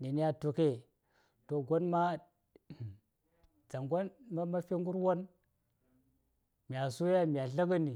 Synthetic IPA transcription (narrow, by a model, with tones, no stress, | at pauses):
ni˨ni˦ja˦tu˨ke˦ | to˨ɡo˦nma˦˨ | d͡za˨ŋɡo˦nma˦ma˦fe˦ŋɡu˦ɾwo˦n | mi˨a˨su˦ja˦mi˨a˨ɬa˦ɡa˦ni˨